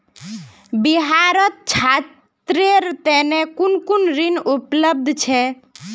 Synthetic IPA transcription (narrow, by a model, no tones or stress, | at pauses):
biɦaɾət̪̚t͡ʃʰa | t̪ɾeɾt̪ɛnekunkunɾinupləb̚d̪ʱt͡ʃʰɛ